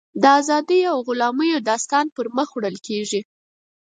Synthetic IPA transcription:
d̪əazɑd̪əjawɣʊlɑməjod̪ɑst̪ɑnpəɾməxwɽəlkʰeʒi

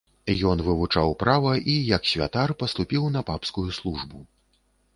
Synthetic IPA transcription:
jɔnvɨvut͡ʂawpɾavɐʔijɐksʲvʲa̰t̪arpɐst̪upʲiwn̪ɐpapskujuslˠuʐbu

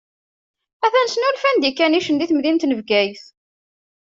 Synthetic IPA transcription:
æθænsənulfænd̪ikːæniʃənd̪iθmðint̪nəvɡæjθ

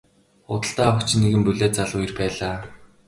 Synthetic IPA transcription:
ʊt̪ə̆ɬt̪aːχʊkt͡ɕ̆nːeɣɘ̆mpɵɮʲeːt̪̚t͡saɮʊːjirpæːɮaː

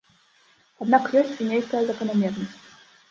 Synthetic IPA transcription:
ad̪nakjɔsʲt͡sʲinʲejkəjɐzɐkɐnamʲɛrnəsʲt͡sʲ

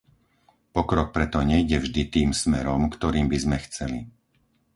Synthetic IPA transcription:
pɔkɾɔk̚pɾɛt̪ɔɲɛiɟɛvʒd̪it̪iːmsmɛɾɔmkt̪ɔɾiːmbizmɛxt͡sɛlḭ

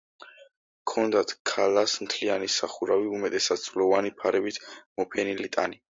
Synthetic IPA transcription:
kʰɔnd̪at̪ʰkʰalasmt̪ʰlianisaχuɾaviumɛt̪ʼɛsad̪̥̚sʰlɔvanipʰaɾɛbit̪ʰmɔpʰɛnilit̪ʼa̰ni

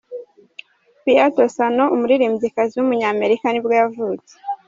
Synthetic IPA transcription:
pijato̞sano̞umuɾiɾiːmzikaziwumuɲaːme̞ɾikanibɡojavuːt͡se̥

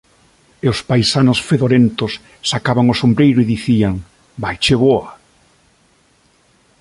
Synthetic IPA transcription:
eʊspajsanʊsfeðoɾent̪ʊsː | akaβaŋosombɾejɾʊiðiθiaŋ | bajt͡ʃeβoa

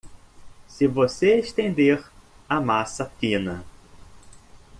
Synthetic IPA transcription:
sɪvoseeʃt̪ẽnd̪eɾ | ɐmasɐfĩnɐ

